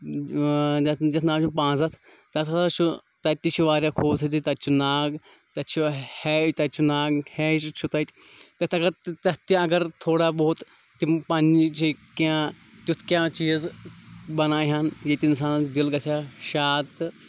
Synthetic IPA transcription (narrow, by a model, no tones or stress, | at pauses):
ɐd͡ʒɐt̪ʰnaːt͡ʃʰupãːzɐt̪ʰ | t̪ɐt̪ʰɐt̪at͡ʃʰu | t̪ɐt̪it͡ʃʰiʋaːɾjaːkʰoːzit̪ʰit̪ɐt͡ʃʰunaːɡ | t̪ɐt͡ʃʰuhɛt̪ɐt͡ʃʰunaːɡhɛːt͡ʃt͡ʃʰut̪ɐt̪t̪ɐt̪ɐɡɐɾt̪ɐt̪iɐɡɐɾt̪ʰoːɽaːboːt̪ | t̪impanit͡ʃʰikãː | t̪ʲjut̪ʰkʲjãːt͡ʃiːz | bɐnaːɦaːnjet̪ɪns̬aːnd̪ilɡɐt̪ʰjaːʃaːt̪